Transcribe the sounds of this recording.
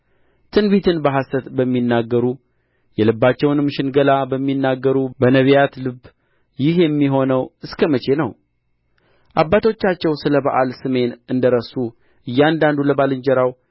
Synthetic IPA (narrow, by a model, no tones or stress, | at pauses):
t̪ʰɨnbit̪ʰɨnbəɦasət̪bəmːinːaɡːəɾu | jɛlɨbːat͡ʃːɛwnɨmːʃɪnɡəlabəmːinːaɡːəɾubənəβjat̪lɨb | jɪɦjɛmːiɦo̞nəwɨskʰəmət͡ʃe̞nəw | ʔabːat̪ʰo̞t͡ʃːat͡ʃːɛwsɨləbə̰ʔalsɨme̞nɨnd̪əɾəsu | ʔɨjːand̪and̪uləbalɨnd͡ʒɛɾaw